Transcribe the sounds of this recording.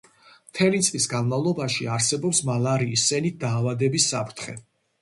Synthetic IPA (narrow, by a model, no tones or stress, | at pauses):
mt̪ʰɛlit̪sʼlisɡanmavlˠɔbaʃiaɾsɛbɔpsmalaɾiːsɛnit̪̚d̪̥aːvad̪ɛbisːapʰɾt̪ʰχɛ̰